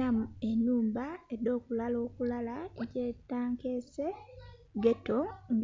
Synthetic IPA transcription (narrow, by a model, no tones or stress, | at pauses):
amuenuːmbaedo̞ːkulalo̞ːkulalaeceːtaːŋkese | ɡetoŋ